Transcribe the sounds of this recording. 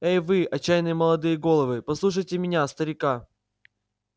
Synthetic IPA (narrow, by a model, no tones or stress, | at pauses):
ejvɨɐt͡ɕːajnɨjəməlˠɐd̪ɨjəɡo̞lˠəvɨpɐslˠuʂ̬əjtʲɪmʲɪnʲast̪əɾʲɪka